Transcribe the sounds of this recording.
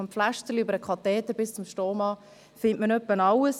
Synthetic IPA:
ɔmpflæʃtəliybəɾəkʰɑt̪ɛːt̪əɾbɪst͡sʊmʃtoːmɑː | fɪntmənœpːənɑwəs

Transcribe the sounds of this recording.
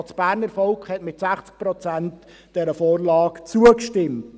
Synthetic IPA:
t͡sb̥æːɾnəɾfɔlkχhɛtmɪtsæχt͡sk̚pɾɔt͡sænt | d̥ɛɾəfoːrlɑːkt͡suəkʃtɪmt

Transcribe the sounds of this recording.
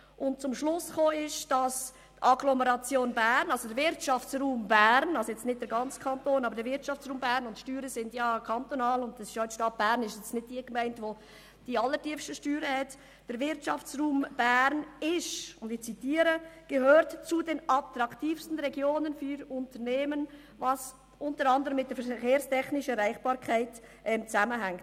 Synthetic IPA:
ʔʊnt̚t͡sʊmʃlʊsχoːɪʃd̥ɑs | tɑɡlɔməɾɑt͡sjoːnbæːɾnɑlsodəɾvɪɾtʃɑft͡sruːmbæːɾnɑlsojɛt͡stnɪd̚d̥əɾɡɑnt͡skʰɑntoːnɑbəɾdəɾvɪɾtt͡ʃɑft͡sɾuːmbæːɾnʊntʃtyːɾəsɪndjɑːkʰɑntonɑːlʊndɛsɪʃjoʃtɑt̚b̥æːɾnɪʃjɛt͡snɪd̚diːəkmɛɪntʋo | d̥iɑlːətiəfʃtəʃtyːɾəhɛt | d̥əɾvɪɾtt͡ʃɑft͡sruːmb̥æɾnɪʃʊndɪçt͡sitiːɾəɡ̥əɦøːɾtt͡sudenɑp̚t̪ɾɑktiːfstən̩ɾɛɡjoːnənfyɾʊntəɾneːmən | vɑs | ʔʊntəɾɑndəɾəmːɪt̚d̥əɾfɛkeːɾstɛxnɪʃəɾaɪχb̥ɑːɾkʰaɪtʔɛmt͡sæməɦæŋkt

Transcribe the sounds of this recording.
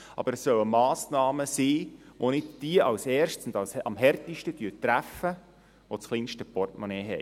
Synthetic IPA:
ɑ̰bəɾɛsːœwəmɑːsnɑːməsiː | ʋonɪd̚d̥iəʔɑwsɛːɾʃtsʊnd̪ɑwsɑmɦɛrtɪʃtətyːtɾæfə | ʋot͡sχliːnʃtəpɔrtmɔnɛːɦɛ̰j

